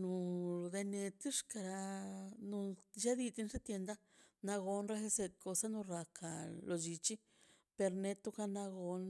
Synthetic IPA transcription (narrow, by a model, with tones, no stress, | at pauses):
nu˧d̪e˧ne˧t̪i˦ʂka˧ɾa˧nu˧ʃa˦d̪i˧t̪i˧nʂe˦t̪je˧nd̪a˦ | na˧ɣo˧nɾe˦xe˧se˧t̪̚ko˧sa˦nu˧ɾa˧kʰa˧˨lo˨d͡ʒi˧t͡ʃi˦ | pe˧ɾne˧t̪u˦ka˧na˧ɡo˧n